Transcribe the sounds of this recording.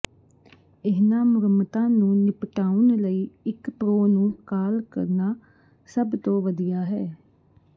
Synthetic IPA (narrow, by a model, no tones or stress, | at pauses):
ɪɦnãːmʊɾəmt̪ãːnũːnɪpʈaːunləiːɪkpɾoːnũːkaːlkə̰ɾnaː | səbt̪õːʋəd̪ijaːɦɛː